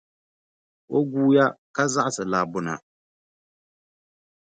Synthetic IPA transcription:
wo˦ɡuː˦ja˦ka˦za˦ʔa˨sɨ˨la˨bʊ˦na̰˨

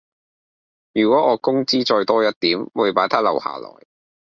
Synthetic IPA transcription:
jyː˨˩kʷwɔː˨˥ŋɔː˨˧kʊ˥ŋt͡siː˥t͡ʃɔː˧jt̪ɔː˥jɐ˥t̚t̪iː˨˥mwuː˨˧jpaː˨˥jt̪ʰaː˥lɐ̰˨˩wha̰ː˨˩lɔ̰ː˨˩j

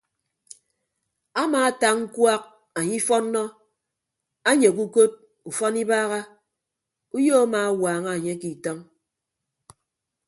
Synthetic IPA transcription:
a˦maː˨a˦ta˦ŋŋ̩˦kwa˦k̚ | a˨ɲi˦fɔ˦nː˦ɔ˦ | a˦ɲe˨k̬u˦ko˦t̚ | u˨fɔ˦ni˦baː˦ɣa˦ | u˦jo˦a˦maː˨a˦waː˨ŋa˦a˨ɲe˦ki˨tɔ˦ŋ

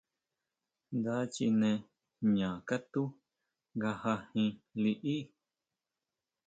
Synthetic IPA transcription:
nd̪a˦t͡ʃḭ˧nẽ˧ | ɲã˨ka˦t̪u˦ | ŋɡa˧ha˧hĩ˧li˧ʔi˦

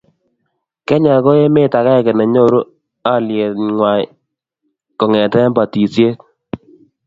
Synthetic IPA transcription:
kɛ˦ɲa˨ko˦e˦me˦ta˨ka˦˨kɛ˨nɛ˨ɲo˦ɾu˦ | a˦lje˨tŋwa˨j | kɔ˨ŋɛ˨tɛ˦mba˨ti˨sje˦t

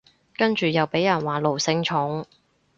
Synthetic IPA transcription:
kɐ˥nt͡ʃyː˨jɐ˨wpe˨˥jɐ˨˩nwaː˨lo˨˩wsɪ˧ŋt͡ʃʰʊ˨˥ŋ

